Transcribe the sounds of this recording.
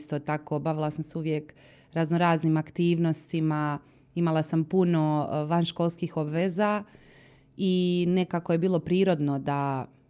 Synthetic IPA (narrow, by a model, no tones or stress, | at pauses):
st̪ot̪ako̞baʋilˠasamseuʋjek | ɾaznoɾaːznimakt̪iːʋno̞st̪ima | imalˠasampuno̞ʋanʃkolˠskixo̞bʋeːza | ine̞kako̞jebiːlˠo̞pɾiːɾo̞d̪no̞d̪a